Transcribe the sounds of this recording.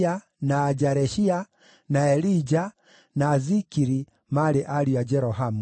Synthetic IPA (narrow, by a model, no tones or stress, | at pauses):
a | naːd͡ʒaɾɛʃia | naɛlid͡ʒa | naːzikiɾi | malɛʔaliad͡ʒɛɾɔɦamu